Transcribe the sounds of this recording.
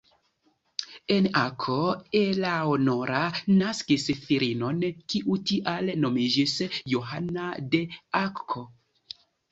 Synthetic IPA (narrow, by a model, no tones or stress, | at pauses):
e̞nakʰoelaono̞ɾanaskisfiɾino̞nkiʔutiʔalno̞mid͡ʒisjoɦanade̞akʰo